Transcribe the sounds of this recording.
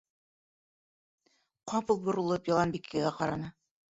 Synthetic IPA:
qɑpɤlˠbŏɾɤ̆lˠɤpjɑlˠɑnbikʰːɘ̆ɣæqɑɾɑnɤ

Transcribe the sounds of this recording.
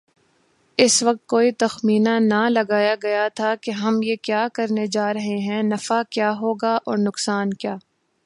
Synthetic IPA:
ɪsʋɐk̚t̪̚koːit̪ɐxmiːnanɐlɐɡaːjaɡɐjat̪ʰakeɦɐmjekjaːkɐɾned͡ʒaːɾɐɦeɦɛ̃nɐfakjaːɦoːɡaʔɔːɾnʊqsaːnkjaː

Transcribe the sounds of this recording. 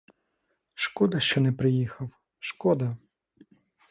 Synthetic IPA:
ʃkud̪ɐʃt͡ʃɔnɛpɾɪjixɐw | ʃkɔd̪ɐ

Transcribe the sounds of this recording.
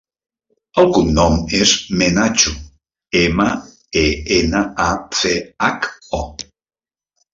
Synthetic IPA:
alkunːomezmenat͡ʃu | ema | eenaaθeako

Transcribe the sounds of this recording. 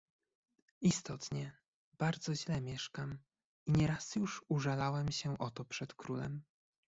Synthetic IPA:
ist̪ɔt̪ɲɛ | b̥aɾd̪zɔʑlɛmʲjɛʂkam | iɲɛɾasjuʂuʐalawɛmɕɛʔɔt̪ɔpʂɛt̪kɾulɛ̰m

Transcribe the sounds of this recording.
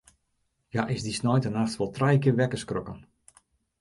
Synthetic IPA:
jaʔɪsdisnɔjtənaxtʋɔlˠtrajkɪʋɛkəskrɔkən

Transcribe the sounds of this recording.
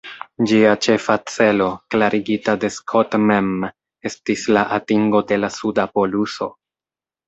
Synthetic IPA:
d͡ʒiat͡ʃe̞fat͡se̞lo̞klaɾiɡitade̞skʰotmem | e̞stislaʔatiŋɡo̞de̞lasudapo̞luso̞

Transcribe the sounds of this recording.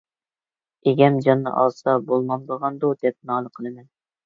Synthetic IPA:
eɡʲɛmd͡ʒɑnːɨ̰ʔɑ̰zsɑbolˠmɑnbəʁɑnd̪ud̪ɛp̚nɑːnəqʰəlˠɨmɛn

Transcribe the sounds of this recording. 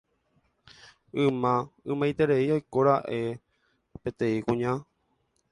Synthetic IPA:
ɨ̃mãɨ̃mãjt̪e̞ɾe̞iajkoɾaʔe̞ | pe̞t̪ẽ̞ĩkũɲã

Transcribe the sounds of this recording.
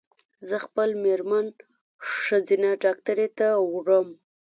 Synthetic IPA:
zəxpəlmeɾman | ʂəd͡zinaɖɑk̚t̪aɾet̪awɽəm

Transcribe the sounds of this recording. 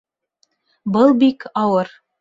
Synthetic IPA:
bɤlˠbikɑwɤɾ

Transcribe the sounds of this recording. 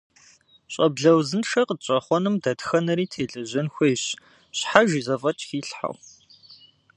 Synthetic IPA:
ɕʷʼɐbɮɐwzɨnʂɐqəɕʼɐχʷɔnɨmdɐtxɐnɐɾiːtʰeːɮʼɐʑɐnxʷejɕ | ɕħaʒizɐfʼɐt͡ʃʼxiːɬħa̰w

